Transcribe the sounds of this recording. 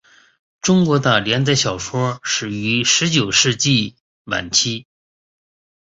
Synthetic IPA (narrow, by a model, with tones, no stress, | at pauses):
ʈ͡ʂʊ˥ŋkwɔ˧˥d̪ə˧˩ljɛ˧˥nt͡sa˥˧ɪɕjɑ˨˩ʊʂwɔ˥ʂɻ̩˨˩y˧˥ʂɻ̩˧˥t͡ɕjo˨˩ʊʂɻ̩˥˧t͡ɕi˥˩ | wa̰˨˩nt͡ɕʰi˥